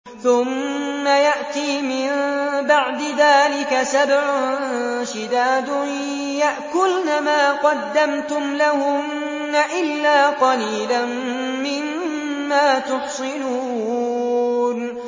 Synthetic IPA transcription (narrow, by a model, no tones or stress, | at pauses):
θʊmːajaʔt̪iːmɪnbaʕd̪ɪðaːlɪkasabʕʊʃɪd̪aːd̪ʊ | jaʔkʊlnamaːqɑd̪ːamt̪ʊmlahʊmː | aʔɪlːaːqɑliːlan | mɪmː | aːt̪ʊħsˤɪnuː | n